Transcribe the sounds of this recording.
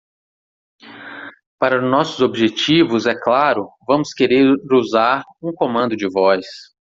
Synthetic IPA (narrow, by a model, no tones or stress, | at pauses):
paɾɐʊnɔsʊzobiʒet͡ʃivʊzɛklaɾʊvɐ̃mʊskeɾeɾɾuzaɾũkõmɐ̃nd̪ʊd͡ʒɪvɔjs